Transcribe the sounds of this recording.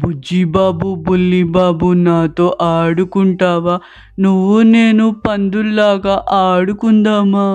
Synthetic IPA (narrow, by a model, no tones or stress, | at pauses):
bud͡ʒibaːbubulːibaːbunaːt̪o̞ːʔaːɽukuɳʈaːʋaː | nuʋːune̞ːnupɐnd̪ulːaːɡaːʔaːɽukund̪aːmaː